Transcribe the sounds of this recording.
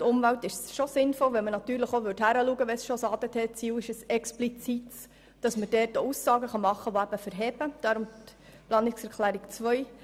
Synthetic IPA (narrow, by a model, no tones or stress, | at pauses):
tʊmvæwtɪʃsʃosɪnfɔlʋɛlmənɑt̪yːɾləχoʋʏɾthæɾəluəɡəʋɛsʃosɑːd̪ət̪ʰɛt͡siːwɪʃəsɛksplit͡sit | d̥ɑsmədɛːtousːɑːɡəχɑmɑχːəʋoæb̥əfəɾɦɛb̥əd̥ɑɾʊmplɑːnɪksɛɾkʰlæːɾikt͡sʋœj